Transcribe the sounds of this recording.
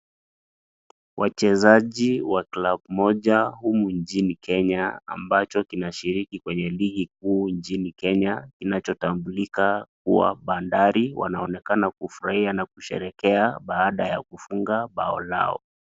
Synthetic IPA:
wʔat͡ʃɛzaʄiwaklaɓmɔʄahumuɲt͡ʃinikʰɛɲaa̰mbat͡ʃɔkinaʃiɾikikwɛɲɛliɡik̚uːɲt͡ʃinikɛɲakinat͡ʃɔtambulikakuwa̰ɓandaɾiwʔa̰naɔnɛkanakufuɾahianakuʃɛ̰ɾɛkɛaɓaaɗajakufuŋɡaɓaɔla̰ɔ̰

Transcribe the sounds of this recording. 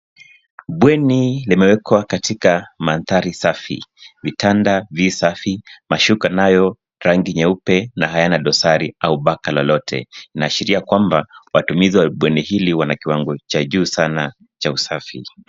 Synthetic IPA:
ɓwɛnilimɛwɛkwakatikamanθaɾisafḭvitʰandavisafimaʃukanajɔ | ɾaŋɡiɲɛupɛnaɦajanaɗɔsaɾiauɓakalɔlɔtʰɛ̰inaːʃiɾiakwambawatumiziwaɓwɛnihiliwanakiwaŋɡɔt͡ʃaʄuːsana | t͡ʃausafḭ

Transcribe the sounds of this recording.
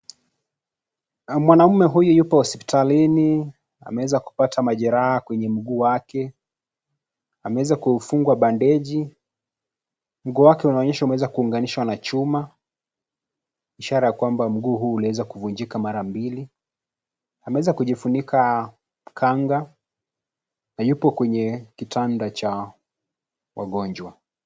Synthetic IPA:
mwanam̩mɛɦujujupɔhɔspi̥talini | a̰mɛwɛzaku̥patʰamaʄɛɾahakwɛɲɛm̩ɡuːwakɛ | amɛwɛzakufuŋɡwaɓandɛʄi | m̩ɡuːwakɛunaɔɲɛʃaumɛwɛzakuːŋɡaniʃwanat͡ʃuma | iʃaɾajakwambam̩ɡuːɦuːliwɛzakuvuɲd͡ʒikamaɾambili | amɛwɛzakuʄifunikʰa | kʰaŋɡa | najupɔkwɛɲɛkitʰandat͡ʃa | wa̰ɠɔɲd͡ʒwa

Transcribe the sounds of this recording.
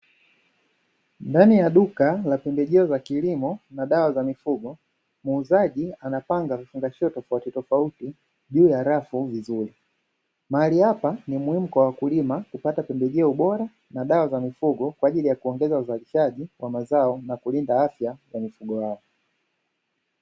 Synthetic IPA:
ndanijaɗukalapɛmbɛʄɛɔzakilimɔnaɗawazamifuɡɔ | muːzaʄianapaŋɡavifuŋɡaʃɔɔtɔfautitɔfauti | ʄuːjaɾafuvizuɾi | maaliapanimuhimukwawakulimakupatapɛmbɛʄɛɔɓɔɾa | naɗawazamifuɡɔkwaːʄilijakuɔŋɡɛzauzaliʃaʄiwʔamazaɔnakulindaafjazamifuɡɔjaɔ

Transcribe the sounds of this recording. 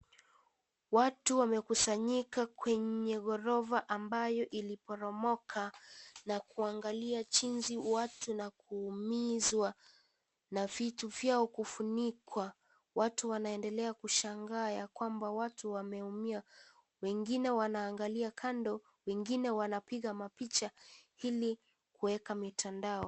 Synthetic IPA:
watuwamɛkusaɲikakwɛɲɛɣɔɾɔvaʔambajɔʔilipɔɾɔmɔkʰanakuaŋɡaliat͡ʃinziwatunakuːmizwa | navituvjaɔkufunikwa | watuwanaɛndɛlɛakuʃaŋɡaːjakwambawatuwamɛumia | wɛŋɡinɛwanaːŋɡaliakʰandɔ | wɛŋɡinɛwanapiɠamapit͡ʃahili | kuɛkamitʰandaɔ

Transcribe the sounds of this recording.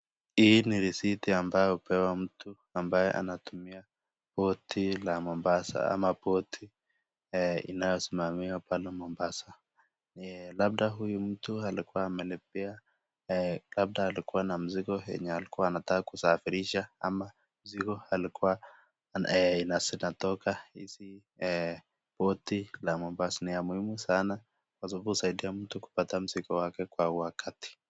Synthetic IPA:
hiniɾisitiambajɔhupʰɛwam̩tʰu | ambajɛ̰ʔa̰natumia | pɔtʰilamɔmbasa̰a̰mapɔtʰi | ḭnajɔsimamiwapalɛmɔmbasa | lab̚ɗaɦujum̩tualikuwaːmɛnip̚ia | lab̚ɗaːlikuwanam̩ziɡɔɛ̰ɲɛalikuaːnatakakusafiɾiʃaa̰ma | m̩ziɡɔalikuwa | ɛinasinatɔkahḭsi | ɛ | pɔtilamɔmbasaniamuhimusana | kwasababuhusaiɗiam̩tuku̥patam̩zikɔwakɛkwauwakʰati̥

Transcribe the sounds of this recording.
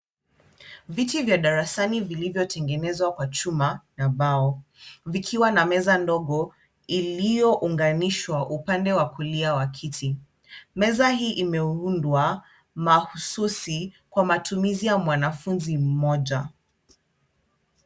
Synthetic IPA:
vitivjaɗaɾasanivilivjɔtʰɛŋɡɛnɛzwakwat͡ʃumanaɓaɔvikʰiwanamɛzandɔɠɔ | ilijɔʔuŋɡaniʃwaʔupandɛwakuliawakʰitʰi | mɛzahiːʔimɛundwa | mahususi | kwamatumizijamwanafunzim̩mɔʄa

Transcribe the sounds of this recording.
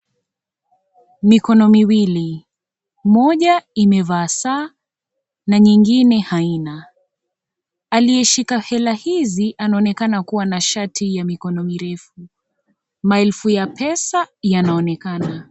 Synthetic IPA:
mikɔnɔmiwili | mɔʄaimɛvaːsaː | naɲiŋɡinɛhaina | alijɛʃikahɛlahiziʔanaɔnɛkanakuwanaʃatʰijamikɔnɔmiɾɛfu | maɛlfujapʰɛsajanaɔnɛkana

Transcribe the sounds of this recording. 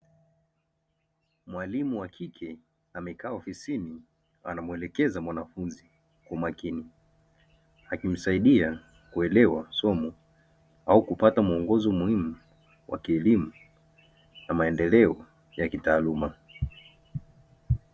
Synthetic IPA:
mwalimuwakʰikʰɛ | amɛkaːɔfisini | a̰namuɛlɛkɛzamwanafunzi | kamakini | akim̩saiɗia | kuɛlɛwasɔmu | aukupatamuɔŋɡɔzɔmuhimu | wʔa̰kiɛlimu | namaɛndɛlɛɔ | jakitaːluma

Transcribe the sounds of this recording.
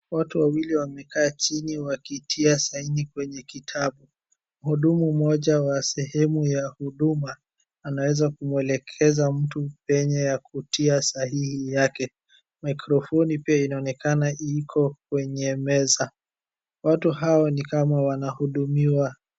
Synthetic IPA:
watuwawiliwamɛkaːt͡ʃiniwakitʰiasainikwɛɲɛkitʰaɓu | m̩huɗumum̩ɔʄawasɛhɛmujahuɗumaː | nawɛzakumwɛlɛkʰɛzam̩tupɛɲɛjakutʰiasaɦihijakɛ | majkɾɔfɔnipiainaɔnɛkanaʔikʰɔk̚wɛɲɛmɛza | watuɦaɔnikamawanahuɗumiwa

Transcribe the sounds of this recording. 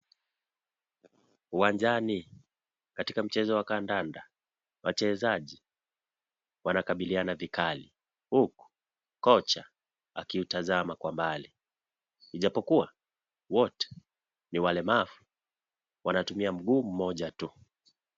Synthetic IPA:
uwaɲd͡ʒani | katikam̩t͡ʃɛzɔwakandanda | wat͡ʃɛzaʄi | wanakaɓilianavikali | huku̥ | kɔt͡ʃa | akiutazamakwambali | iʄapɔkuwa | wɔtɛ̥ | niwalɛmafu̥ | wanatumiam̩ɠuːm̩mɔʄatu

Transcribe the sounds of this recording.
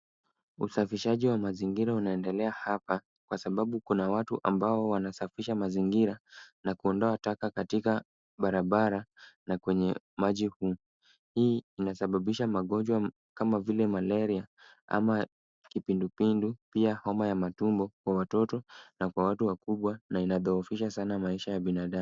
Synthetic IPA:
usafiʃaʄiwamaziŋɡiɾaunaɛndɛlɛahapa | kwasaɓaɓukunawatuʔambaɔwanasafiʃamaziŋɡiɾanakuɔndɔatakakatika | ɓaɾaɓaɾanakwɛɲɛ | maʄihuː | hiːinasaɓaɓiʃamaɠɔnd͡ʒwa | kamavilɛmalɛɾia | ʔa̰ma | kipindupindupiahɔmajamatumbɔkwawatɔtɔnakwawatuwakuɓwanainaðɔufiʃasanamaiʃajaɓinaɗam

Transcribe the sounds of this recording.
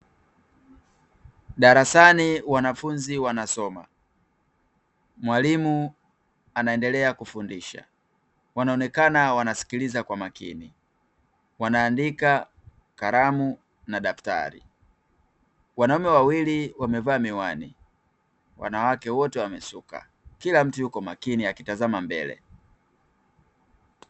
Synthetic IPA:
ɗaɾasaniwanafunziwanasɔma̰ | mwalimu | anaɛndɛlɛakufundiʃa̰ | wanaɔnɛkanawanasi̥kilizakwamakḭni | wanaːndika | kaɾamu | naɗafta̰ɾḭ | wanaumɛwawiliwamɛvaːmiwani | wa̰nawakɛwɔtɛwamɛsuka̰ | kilam̩tujukɔmakiniakitazamambɛ̰lɛ̰

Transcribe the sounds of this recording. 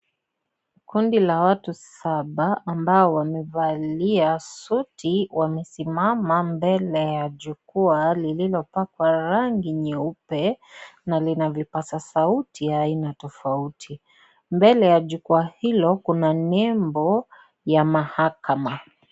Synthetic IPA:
kundilawatusaɓaʔːmbaɔwamɛvaliasutʰiwamɛsimamambɛlɛjaʄukualililɔpakwaɾaŋɡiɲɛupɛnalinavipasasautʰijaːinatɔfautʰi | mbɛlɛjaʄukuahilɔkunanɛmbɔ | jamahakama

